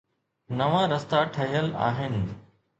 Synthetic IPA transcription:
nɐʋãːɾɐst̪aʈʰɐɦijəla̰ːɦɪnɪ̆

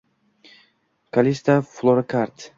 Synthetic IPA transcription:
kʰalist̪aflˠoɾkʰaɾt̪

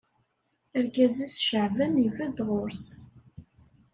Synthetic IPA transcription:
əɾkæzisʃəʕvænivæd̪ʁʊɾs

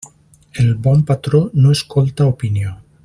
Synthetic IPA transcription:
elbɔmpat̪ɾonoeskolt̪aopinjo

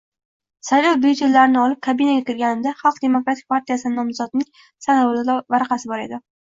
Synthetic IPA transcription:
sajlɒwbet͡ʃ̪jɪlːaɾɪnɪɒlˠɪp̚kʰabɪnaɡʲakʲɪɾɡʲanɪmd̪aχɑlˠqd̪e̞mokɾat̪ʰɪk̚ʲpʰaɾt̪ijasɪnɪnɒmzɒd̪nɪŋ | sanɒvvaɾaqɑsɪbɒɾe̞d̪ɪ

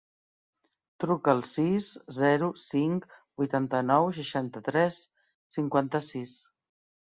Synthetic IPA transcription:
t̪ɾukəːlˠsiszɛɾusiŋkbujt̪ant̪ənɔwʃ̬əʃant̪ət̪ɾɛsː | iŋkwant̪əsis

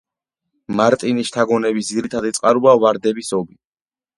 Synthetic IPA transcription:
maɾt̪ʼiniʃt̪ʰaɡɔnɛbisd̪ziɾit̪ʰad̪it̪sʼqʼaɾuavaɾd̪ɛbisɔbi

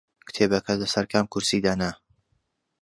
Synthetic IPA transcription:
kɨ̥t̪ʰeːbɐkʰɐlɐsɐɾkʰamkʰuɾsiːd̪aːna

